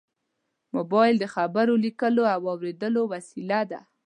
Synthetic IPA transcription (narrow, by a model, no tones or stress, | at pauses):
mobɑjɪld̪əxabaɾolikəloawɑwɾed̪əlowasilad̪a